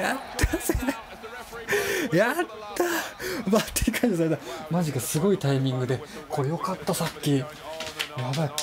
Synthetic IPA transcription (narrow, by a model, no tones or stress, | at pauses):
jat̪ːase | jat̪ːamat̪ːeikaĩnd̪esad̪amaʑikasɨɡo̞it̪aimʲĩŋɡɯ̟d̪e̞kʰo̞ːjo̞kat̪ːasakʲːi | βabakʲ